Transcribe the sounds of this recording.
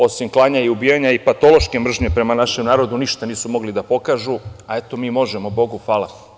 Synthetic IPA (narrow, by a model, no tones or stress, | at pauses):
o̞simklˠaːɲaiubijaɲaipat̪o̞lˠo̞ʃke̞mr̩ʒɲe̞pɾe̞manaʃemnaːɾo̞d̪uniʃt̪aniːsumo̞ɡlid̪apo̞kaʒuae̞t̪o̞miːmo̞ʒemobo̞ɡuxʋaːla